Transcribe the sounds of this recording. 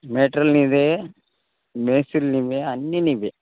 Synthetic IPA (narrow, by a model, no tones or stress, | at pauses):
meːʈɾɐlnid̪e | meːsilniʋeɐnːinibe